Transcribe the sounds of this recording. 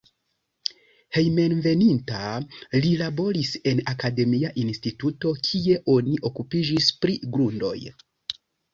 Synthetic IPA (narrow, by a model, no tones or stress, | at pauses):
he̞jme̞nve̞nintalilabo̞ɾise̞nakade̞miaʔinstituto̞kʰie̞ʔo̞niʔo̞kupid͡ʒispɾiɡɾundo̞̰j